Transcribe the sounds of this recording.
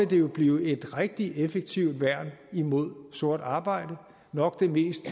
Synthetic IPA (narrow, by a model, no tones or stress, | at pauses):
ed̥e̝jo̝b̥liːʊe̝d̥ʁeɡ̥̚d̥iʔefeɡ̥̚t͡sʰiʊd̥ʋæɐ̰nimo̝ð̞̰ˠso̝ɐ̰d̥ɑ̈ːb̥ɑ̈ɪ̰d̥ə | nɒ̽ɡ̥d̥e̝me̝̰ːsd̥